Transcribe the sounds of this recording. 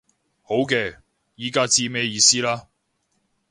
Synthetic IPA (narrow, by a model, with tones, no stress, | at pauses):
ho˨˥wkɛː˧ | jiː˨˧kaː˥t͡siː˧mɛː˥˧jiː˧siː˥laː˥